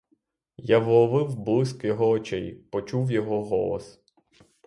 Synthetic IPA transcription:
jaʋɔʋɪwblˠɪskjɔɦɔːt͡ʃɛjpɔt͡ʃuwjɔɦɔɦɔ̰lˠɔ̰s

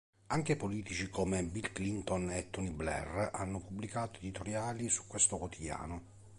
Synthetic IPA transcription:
aŋk̟epoliːt̪it͡ʃikomebilklint̪onet̪ːuniblɛ̰ra̰nːʊpubːlikaːt̪oed̪it̪oɾjaːlisu̥kːwest̪okwot̪ʰid̪ja̰ːno

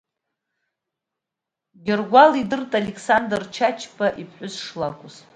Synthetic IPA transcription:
ɡʲɪrɡʷalidɨrtʼalʲekʰʼsandrt͡ʃʰat͡ʃʰpʰʼaʔipʰħʷʊzʂlakʷʼʊzʼ

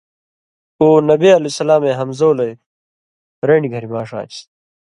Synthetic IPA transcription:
oːnɐbiɐlesɐlaːmeːɦɐmzoːlɐj | ɾeːɳiɡʱɐɾimaːʂa̰ːt͡ɕ

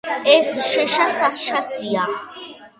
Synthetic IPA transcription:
ɛsiʃɛʃasasʃasia

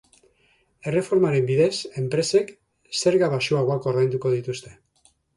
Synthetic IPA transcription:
e̞re̞fo̞ɾmaɾe̞mbiðe̞se̞mpɾe̞se̞k | se̞ɾɣaβaʃuaɣakoɾðajnd̪uko̞ðit̪ust̪e̞

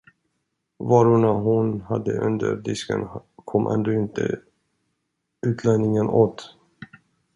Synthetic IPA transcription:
vɑːɾʊɳaɦʊnhad̪ːəʔɵnd̪ə̰ɾd̪ɪskə̰nkʰɔmːʔɛ̰nd̪oːɪnt̪ʰə | ʉ̟ːt̪ʰlɛnɪŋənoːt̪

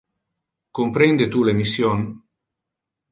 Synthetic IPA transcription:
kompɾend̪et̪ulemisjon

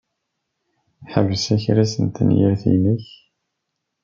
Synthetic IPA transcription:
ħəvəsæçɾæsənt̪ənjəɾθḭnəç

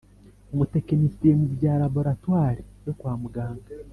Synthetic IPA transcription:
omutekenisiɾemubɟaːlabo̞ɾatwaːɾijokwaːmuɡaːŋɡa

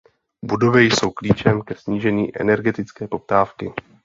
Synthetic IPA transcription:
budo̞vɛjso̞wkliːt͡ʃɛmkɛsɲiːʒɛɲiːʔɛ̰nɛɾɡɛt̪ɪt͡skɛːpo̞p̚t̪aːfkɪ̰

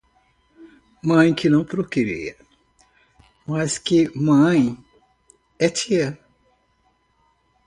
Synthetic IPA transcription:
mɐ̃j̃kɪnɐ̃w̃pɾokeɾḭɐ | mɐskɪmɐ̃j̃ | ɛt͡ʃiɐ

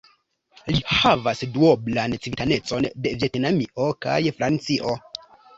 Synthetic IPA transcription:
lihavasduoblant͡sivitane̞t͡so̞nde̞vje̞tnamiʔo̞ka̰jfɾant͡siʔo̞

